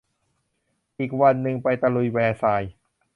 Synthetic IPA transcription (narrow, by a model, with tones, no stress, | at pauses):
ʔiː˨˩k̚wa˧nːɯ˧ŋpa˧jt̪a˧lu˧˩jwɛː˧sa˧j